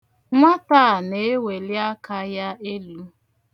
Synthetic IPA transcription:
ŋʷa˦ta˦˨ne˨˦e˦we˨lja˦ka˦ja˦e˦lu˦

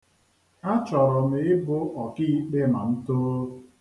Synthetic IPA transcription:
a˦t͡ʃɔ˨ɾʊ˨m̩˨ɪ˦bʊ˦ʔɔ˨ki˦i˦k͡pe˦ma˨n̩˦toː˦

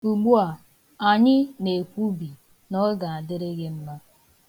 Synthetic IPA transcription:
u˨ɡ͡bu˦a˨ | a˨ɲɪ˦ne˨kʷu˦bi˨ | nɔ˦ɡa˨a˨dɪ˦ɾɪ˦ɡɪ˦m̩˦ma˦

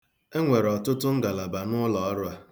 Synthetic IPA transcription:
e˦ŋʷe˨ɾɔ˨tʊ˦tʊ˦ŋ̩˦ɡa˨la˨ba˨nʊ˦lɔ˨ɔ˦ɾʊ˦a˦

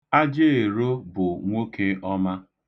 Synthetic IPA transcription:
a˦d͡ʒe˦e˨ɾo˦bʊ˨ŋʷo˦ke˦ʔɔ˦ma˦

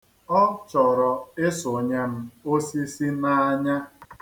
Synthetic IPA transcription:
ɔ˦t͡ʃɔ˨ɾɔ˨ɪ˦sʊ˨ɲe˦m̩˦o˦si˦si˦na˦a˦ɲa˦

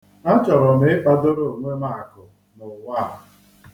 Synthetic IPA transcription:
a˦t͡ʃɔ˨ɾɔ˨ne˨˦ba˦do˦ɾo˦˨ŋʷe˦ma˦˨kʊ˨ | nʊ˨wa˦˨ɾa˨

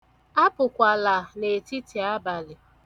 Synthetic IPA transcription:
a˦pʊ˨kʷa˨la˨ne˨ti˦ti˨a˦ba˨lɪ˨

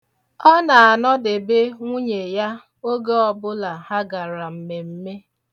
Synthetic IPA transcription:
ɔ˦na˨a˨nɔ˦dɪ˨be˦ŋʷu˦ɲe˨ja˦ | o˦ɡe˦ɔ˨bʊ˦la˨ha˦ɡa˨ɾa˨m̩˨me˨m̩˦me˦

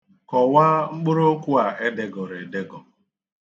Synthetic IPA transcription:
kɔ˨wa˦ŋ͡m̩˦k͡pʊ˦ɾo˦kʷu˦a˨ʔe˦de˦ɡɔ˨ɾe˨de˦ɡɔ˨

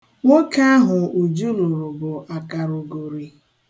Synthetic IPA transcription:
ŋo˦ka˦a˦ɦʊ˨u˨d͡ʒu˦lu˨ɾʊ˨bʊ˨ʔa˨ka˨ɾʊ˨ɡo˨ɾi˨

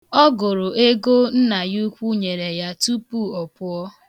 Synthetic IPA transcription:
ɔ˦ɡʊ˨ɾʊ˨ʔe˦ɡo˦n̩˦na˨ju˦kʷu˦ɲe˨ɾe˨ja˦tu˦pu˦˨ɔ˨pʊ˦ɔ˦

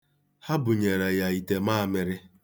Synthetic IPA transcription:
ha˦bʊ˨ɲe˨ɾe˨ja˨i˨te˨maː˦˨mɪ˨ɾɪ˦

